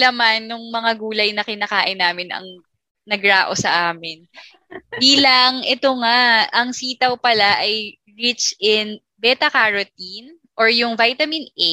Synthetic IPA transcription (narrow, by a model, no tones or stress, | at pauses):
lɐmanːʊŋmɐŋaɡuːlɐjnɐkɪnɐkaːʔɪnːaːmɪnɐ̰ŋ | nɐɡɾaːʔo̞sɐʔaːmɪn | b̪iːlɐʔɐŋʔɛt̪o̞ŋaʔɐŋsiːt̪ɐwpɐlaʔɐj | ɹit͡ʃɪn | bɛt̪ɐkaɹot̪in | ʔoɹjʊŋvajt̪ɐmɪnʔɛ